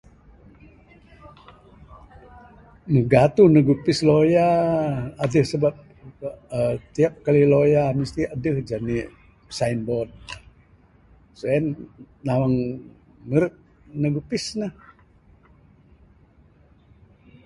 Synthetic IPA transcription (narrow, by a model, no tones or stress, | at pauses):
məɡat̪unəɡupɪsloja | adəhsəbap̚ | ət̪iap̚kalilojaməst̪iadəhd͡ʒani | sainbɔd̪̚ | soɛn | nawaŋ | məɾɪt̪̚ | nəɡupɪsnah